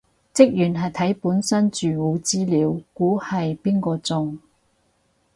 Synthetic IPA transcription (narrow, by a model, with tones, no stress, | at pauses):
t͡sɪ˥k̚jyː˨˩nɦɐ˨jt̪ʰɐ˨˥jpuː˨˥nsɐ˥nt͡ʃyː˨wuː˨˧t͡siː˥liː˨˧˥wkuː˨˥hɐ˨jpiː˥nkɔː˧t͡sʊ˨ŋ